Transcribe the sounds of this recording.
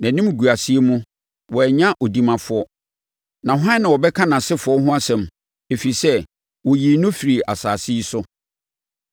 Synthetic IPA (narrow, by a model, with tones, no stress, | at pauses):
nã˨nĩ˦m˦ɡu˨a˨si˦e˦mũ˦ | wɔ˨ɛ˨ɲã˦ʔɔ˨di˦mã˨fʊ˦ɔ˦ | nã˨hʊ˦ã˦nːã˨wɔ˨bɛ˦kʰã˦nã˨sɪ˦fʊ˨ɔ˦ɦʊ̃˦a˦sɛ̃˨m | e˨fi˨i˨sɛ˦ | wɔ˨ji˨nʊ̃˦fi˨ɾi˨ʔa˨saː˨si˦i˦sʊ˦